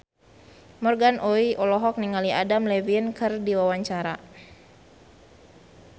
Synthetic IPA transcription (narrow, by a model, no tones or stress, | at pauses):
mɔrɡanʔoiʔɔlɔɦɔk̚niŋaliadamlɛviənkɨrdiwawaɲt͡ʃaɾa̰